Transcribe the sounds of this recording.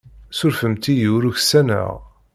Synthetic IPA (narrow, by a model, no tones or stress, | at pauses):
sʊɾfəmt̪ijiwɾuçsænə̰ʁ